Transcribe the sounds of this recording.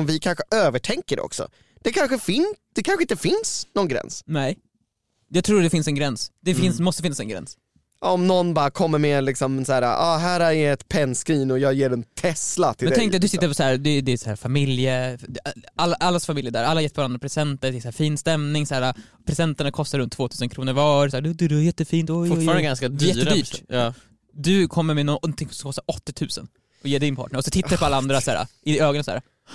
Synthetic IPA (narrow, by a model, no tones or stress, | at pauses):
mvɪkʰanɧəʔøːvəʈʰɛŋkəɖɛ̰ɔ̰ksɔ̰ | d̪̥ɛkʰanɧəfɪnd̪̥ɛkʰanɧɪnt̪əfɪnsnɔnɡɾɛ̰nsnɛj | jɑːɡ̚t̪ʰɾuːd̪ɛfɪnsɛnɡɾɛnsd̪̥ɛfɪnsmɔst̪əfɪnːasɛnɡɾɛ̰ns | ɔmnɔnːbɑːɾakʰɔmːəɾmeːlɪksɔmsæːɾa̰ʔɑːɦæːɾaɛɛt̪pʰɛnskɾiːnɔjɑːɡjeːɖɛnt̪ʰɛslat̪ʰɪlɛnʰɛŋkt̪ːad̪ɵsɪt̪ːəɾpɔsæːɾd̪ɛd̪ɛshæ̰ːɾfamɪljəaalːaʔalːasfamɪljəɖ̪æːɾa̰lːaɾjɛt̪pʰɔvaɾand̪ɾapʰɾɛsɛnt̪əd̪ɛɛsæːɾfiːnst̪ɛmnɪŋsæːɾapʰɾɛsɛnt̪aɳakʰɔst̪aɾɵnt̪ʰːvoːt̪ʰʉːsənkʰɾuːnəɾvɑːsæːɾd̪d̪ʉd̪ɛæjɛt̪ːəfiːnt̪ɔjfʊfɾanəɡanskad̪ɛɛjɛːəd̪yːʈɑ | d̪ɵkʰɔmːəɾmɛnɔnt̪ʰɪŋsɔmkɔst̪aɾɔt̪ːɪt̪ʰʉ̟ːsə̰n | ɔjeːɖɪnpʰɑ̰ːʈ̚ɳəɾɔsɔt̪ʰɪt̪ːaɾpɔalːaand̪ɾasæːɾa̰ɪd̪ɛøːɡnasæ̰ːɾa